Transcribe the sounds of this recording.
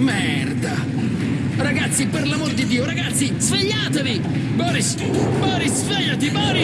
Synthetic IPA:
mɛɛrd̪a | raɡat̪sːiperlamord̪id̪ːiːoɾaɡat̪sːizveʎːaːt̪evi | bɔɾis | bɔɾisveʎːat̪ibɔɾi

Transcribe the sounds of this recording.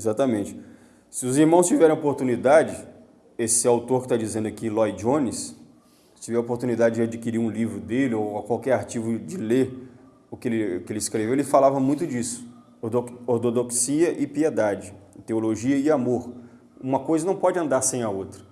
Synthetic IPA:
ezat̪ɐmẽnt͡ʃɪ̥ | sɪʊziɾmɐ̃w̃st͡ʃivɛɾẽj̃opoɾt̪unid̪ad͡ʒɪ | esɪawt̪oɾkɪ̥t̪ad͡ʒizẽnd̪akilɔjd͡ʒõnɪs | t͡ʃivɛopoɾt̪ũnid̪ad͡ʒɪd͡ʒɪad͡ʒikiɾiɾũlivɾʊd̪elɪokwawkɛɾaɾt͡ʃivʊd͡ʒɪleɾ | ʊkɪelɪkɪelɪskɾevewelɪfalavɐmũj̃t̪ʊd͡ʒisʊ̥ | oɾt̪od̪oksiɐʔɪpied̪ad͡ʒɪt̪eoloʒiɐɪamoɾ | ũmɐkojzɐnɐ̃w̃pɔd͡ʒɪɐ̃nd̪aɾsẽj̃aowt̪ɾɐ̥

